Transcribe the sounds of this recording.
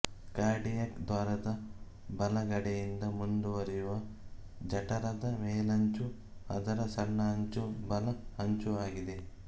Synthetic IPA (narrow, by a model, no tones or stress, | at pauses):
kaːɾɖijɐkd̪ʋaːɾɐd̪ɐ | bɐlɐɡɐɽejind̪ɐmund̪uʋɐɾijuʋɐ | d͡ʒɐʈɐɾɐd̪ɐmeːlɐɲt͡ʃu | ɐd̪ɐɾɐsɐɳːɐɦɐɲt͡ʃubɐlɐɐɲt͡ʃuaːɡid̪e